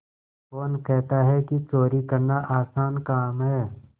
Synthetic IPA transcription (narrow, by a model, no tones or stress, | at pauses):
kɔːnkɛɦt̪aɦɛkit͡ʃoːɾikɐɾnaʔaːsaːnkaːmɦɛː